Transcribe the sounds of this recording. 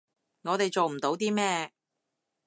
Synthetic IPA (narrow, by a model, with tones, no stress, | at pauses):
ŋɔː˨˧t̪e˨jt͡so˨wm̩˨˩t̪o˨˥wt̪iː˥mɛː˥